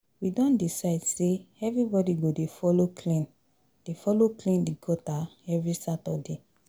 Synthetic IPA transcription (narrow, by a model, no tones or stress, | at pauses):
widɔ̃ndisaɪdseɛvɹibɔdiɡodefɔlokʰlĩn | d̥efɔloklĩndiɡɔtaɛvɹisatɔde